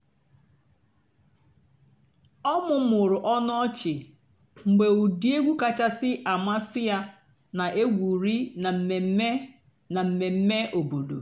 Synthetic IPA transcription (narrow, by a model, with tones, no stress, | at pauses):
ɔ˦mʊ˨˦m̩˦ʊ˨ɾʊ˨ʔɔ˦n˦ɔ˦t͡ʃɪ˨ | ŋ͡m̩˨ɡ͡be˨u˨di˦e˦ɡʷu˦ka˨t͡ʃa˦sɪ˦ʔa˨ma˦sɪ˦ja˦ | na˨ʔe˦ɡʷu˨ɾi˦na˨m̩˨me˨˦e˦ | na˨m̩˨me˨m̩˦me˦ʔo˨bo˨dṵ˨